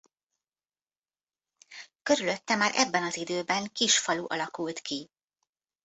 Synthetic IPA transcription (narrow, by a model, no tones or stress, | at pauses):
kø̞ɾylø̞t̪ːɛmaːɾʔɛ̰bːɛnɒzid̪øːbɛŋkiʃfɒluʔɒlɒkult̪ki